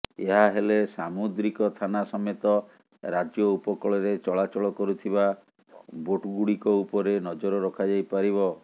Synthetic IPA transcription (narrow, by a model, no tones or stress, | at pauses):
eɦaɦelesamud̪ɾikɔt̪ʰanasɔmet̪ɔ | ɾad͡ʒjɔupɔkɔɭɔɾet͡ʃɔɭat͡ʃɔɭɔkɔɾut̪ʰiba | boʈɡuɽikɔupɔɾenɔd͡ʒɔɾɔɾɔkʰad͡ʒajpaɾiβɔ